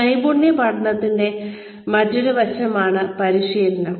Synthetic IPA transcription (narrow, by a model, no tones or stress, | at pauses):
ɐjbuɳːepɐɽɐnːɐt̪ːinde̞ | mɐtːoɾuʋɐt͡ɕːɐmaːɳɨpɐɾiʂiːɾɐnːɐ